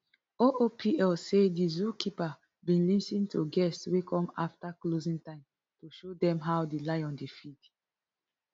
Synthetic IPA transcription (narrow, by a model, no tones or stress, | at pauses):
oʔopʰiɛlsedizukipa | bĩnlĩsĩntʰuɡɛstswekʰɔ̃maftaklozĩntãɪ̃m | toʃodɛ̃mɦawdelaɪɔ̃ndefit